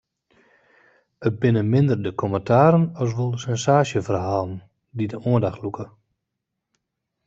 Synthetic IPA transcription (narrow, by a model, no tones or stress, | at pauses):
ət̚bɪnəmɪndərdəkʰɔməntʰaːɾənɔs̬ʋolˠsɛnsaːʃjəfərɦaːlˠn | didəoəndaxlukʰə